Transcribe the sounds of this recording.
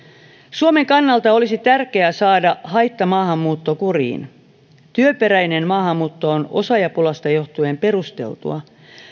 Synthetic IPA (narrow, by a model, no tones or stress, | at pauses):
suome̞ŋkɑnːɑlt̪ɑolisit̪ærke̞æsɑːdɑhɑjt̪ːɑmɑːɦɑmːuːt̪ːo̞kurḭːn | t̪yøpe̞ɾæjne̞nmɑːɦɑmːuːt̪ːo̞ono̞̰sɑjɑpulɑst̪ɑjo̞ht̪ue̞mpe̞ɾust̪e̞̰lt̪ṵɑ